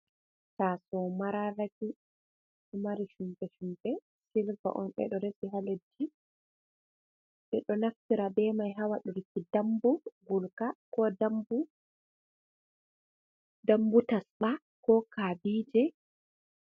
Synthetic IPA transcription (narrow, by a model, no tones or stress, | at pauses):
tasɔmaɾalati | umaɾiʃumbɛʃumbɛ | silva̰ʔɔ̰nɓɛ̰ɗɔɾesiɦaled͡ʒːi | ɓɛɗɔnaftiɾabɛmajɦawaɗuɾikidambuɡulkakɔdambu | dambutasɓa | kɔkabiːd͡ʒɛ